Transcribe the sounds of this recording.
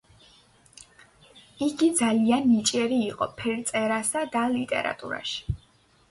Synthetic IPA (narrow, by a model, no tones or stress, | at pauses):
iɡid̪zalianːit͡ʃʼɛɾiːqʼɔpʰɛɾt̪sʼɛɾasad̪alit̪ʼɛ̰ɾa̰t̪ʼṵɾa̰ʃi̥